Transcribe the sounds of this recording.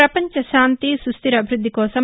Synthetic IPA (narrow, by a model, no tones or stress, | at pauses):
ɐpɐɲt͡ʃɐʃaːnt̪isɾust̪iɾɐbʱiɾud̪ʱːikɔːsɐm